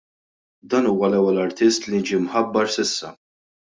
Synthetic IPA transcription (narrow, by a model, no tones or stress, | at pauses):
d̪ɐːnuːwɐlɛwːɛlɐɾt̪ɪst̪lind͡ʒimħɐbːɐɾsɪsːɐ